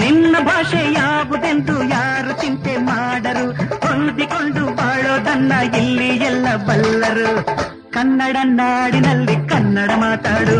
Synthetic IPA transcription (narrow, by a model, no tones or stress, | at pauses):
ninːɐbʱaːʂejaːʋud̪e̞nd̪ujaːɾut̪int̪emaːɽɐɾuhond̪ikoɳɖubaːɭoːd̪ʱɐnːɐilːijɛlːɐbɐlːɐɾu | kɐnːɐɽɐnaːɽinɐlːikɐnːɐɽɐmaːt̪aːɽu